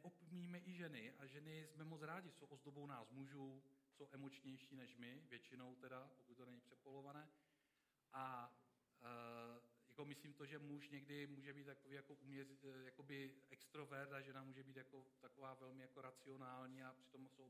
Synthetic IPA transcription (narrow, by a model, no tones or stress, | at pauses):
nɛʔopmiːmɛʔɪʒɛnɪʔaʒɛnɪsmɛmo̞t͡sɾaːɟɪso̞wʔozd̪o̞bownaːsmuʒuso̞wʔɛmot͡ʃɲɛjʃiːnɛʃmɪvjɛt͡ʃɪno̞wt̪ɛdapokut̪̚t̪onɛɲɪpr̥ɛpolo̞vanɛː | ʔa | jako̞mɪsliːmt̪o̞ʒɛmuʃɲɛɡdɪmuːʒɛbiːt̪t̪ːakoviːjako̞ʔuːmɲɛrɪjako̞bɪɛkst̪ɾo̞vɛrdaʒɛnamuːʒɛbiːt̪jako̞t̪ako̞vaːvɛlmɪjako̞ɾat͡sɪo̞naːlɲiːapr̥ɪ̥t̪o̞msow